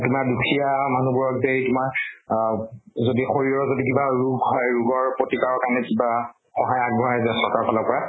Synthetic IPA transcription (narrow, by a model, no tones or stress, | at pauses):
tumaɹdukʰijamanubuɹɔk̚zejtʊmaɹ | zodixoɹiɹɔzodikibaɹuɡɦɔjɹuɡɔɹpɹotikaɹɔɹkaɹnɛkiba | xɔɦajaɡ̚bʱɔɹazasɔɹkaɹpʰalɔkɔɹa